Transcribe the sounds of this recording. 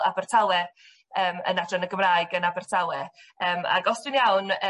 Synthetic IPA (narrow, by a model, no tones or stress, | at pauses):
abɛr̥tʰalˠɛ | əːmə̰nadrɔnəɡəmraːɨɡənabɛrtʰalˠɛəːma̰ɡɔsd̥ɨnjawnə